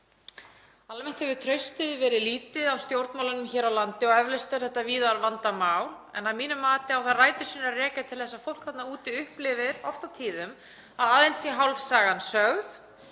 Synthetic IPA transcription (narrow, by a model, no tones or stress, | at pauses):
almɛn̥t̪hɛvɪt̪ʰɾœɥst̪ɪðvɛːɾɪðliːt̪ɪðawst̪jowɾt̪mawlʏnʏmçɛːɾawlant̪ɪɔɣɛvlɛst̪œɾ̥θɛht̪ːaviːðaɾvant̪amaːwl | ɛ̰namiːnʏmːaːt̪ɪawθaraːjt̪ʏ̥siːnarɛːcat̪ʰɪlθɛsːafowl̥kvɛt̪nauːt̪ɪʏhplɪvɪɾɔft̪awt̪ʰiːðʏm | aðaːðejnsjɛɦawlfsaːɣansœɣð